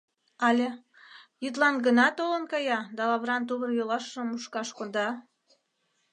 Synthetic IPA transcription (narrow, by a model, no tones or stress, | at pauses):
ɑlʲe | jyt̪̬lɑnɡənɑt̪olənkɑjɑd̪ɑlɑβɾɑnt̪̬uβərjolɑʃəmuʃkɑʃkond̪ɑ